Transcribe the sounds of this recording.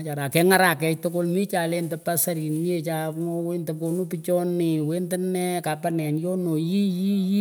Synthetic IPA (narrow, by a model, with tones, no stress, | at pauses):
t͡ʃa˨ɾa˨kɛ˦ŋa˦ɾa˨kɛ˨˧tʊ˦kʊ˦lmi˦t͡ʃa˨le˦ntə˨pa˦sa˦ɾi˨nmi˦e˦t͡ʃa˨ŋo˦we˦ntə˨ko˨nu˦pit͡ʃɔ˦nɪ˨we˦ntɪ˦nɛ˦ka˨pa˦nɛ˨njɔ˦no˨ji˦ji˦ji˦